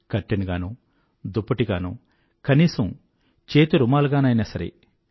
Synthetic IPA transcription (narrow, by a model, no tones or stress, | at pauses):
kɐʈːiniɡaːnu | d̪upːɐʈiɡaːnu | kɐniːsɐm | t͡ʃeːt̪uɾumaːluɡaːnɐjnɐsɐɾḛ